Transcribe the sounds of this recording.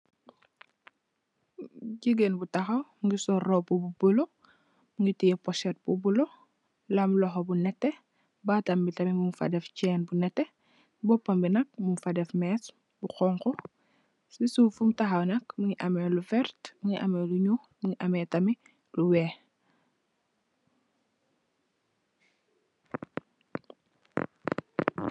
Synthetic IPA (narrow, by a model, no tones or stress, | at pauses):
ɟiɡenbutɐxɐwmŋɡisɔrɔbububulo | muŋɡitijɛpɔʃɛt̚bubulo | lamlɔxɔbunɛtːɛ | batɐmbitɐmimumfɐ̰dɛft͡ʃɛːnbunɛtːɛ | bɔpːɐmbinɐk̚mumfɐdɛfmɛːs | buxɔːŋkɔ | sisuːfumtɐxɐwnɐkmuŋiʔɐmɛlufɛrtmiŋiʔɐmɛluɲumiŋiʔɐmɛtɐmi | luwɛː